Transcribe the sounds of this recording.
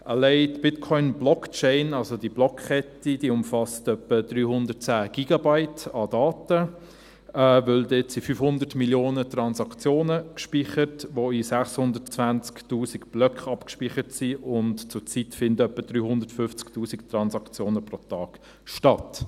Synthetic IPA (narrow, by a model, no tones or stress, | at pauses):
ʔəlɛɪtb̥ɪtkʰɔʏnblɔkt͡ʃɛɪnɑlsodiblɔkχɛtid̥iʊmfɑstœpːəd̥ryːhʊndət̚t͡sæːɡ̥iɡ̥ɑbaɪtɑdɑːtə | ɛːvʏldɛtsifyːfhʊndətmiljoːnətrɑnsɑkt͡sjoːnəkʃpiχətʋoisæχshʊndət͡svænt͡sktuːsiɡb̥lœkχɑpkʃpiχətsiʔʊntt͡sʊt͡sitfɪndtœpːədɾyːhʊndəɾtfʏft͡sktuːsiktrɑnsɑkt͡sjoːnəpɾotɑːɡ̥ | ʃtɑt